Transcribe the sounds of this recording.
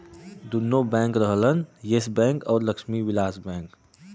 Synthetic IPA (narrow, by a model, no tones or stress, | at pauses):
d̪unːobɛ̃ːŋkɾəɦlənjesbɛ̃ːŋkɔːɾləkʃmiʋɪlaːsbɛ̃ːŋk